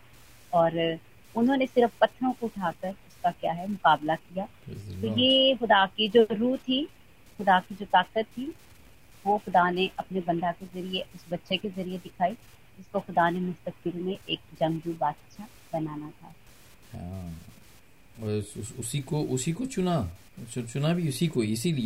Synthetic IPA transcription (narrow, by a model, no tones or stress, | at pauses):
ɔːɾ | ʊnɦõːnesɪɾəfpɐt̪ʰːɾõkoʊʈʰaːkəɾʊskakjaːɦɛmʊqaːblakijaːt̪ojexʊd̪akid͡ʒoːɾuːt̪ʰi | xʊd̪akid͡ʒoːt̪aːkət̪ʰːi | ʋoxʊd̪aneʔɐpnebɐ̃nd̪akezɐɾieʊsbɐtːʃekezɐɾied̪ɪkʰaːi | d͡ʒɪskoxʊd̪anemʊst̪ək̚bɪlmẽʔeːk̚d͡ʒɐ̃ŋd͡ʒubaːt̪ɐʃʰa | bɐnaːnat̪ʰa̰ː | hã̰ | ɔsʊʊsikoʔʊsikot͡ʃʊna | t͡ʃʊt͡ʃʊnabʱiʊsikoɪsilie